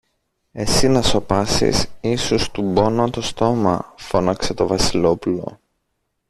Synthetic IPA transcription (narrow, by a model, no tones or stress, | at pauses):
e̞sinɐso̞pɐsḭsisust̪ubo̞not̪ost̪o̞mɐ̰fo̞nɐkse̞t̪o̞vɐsilo̞pulo̞̰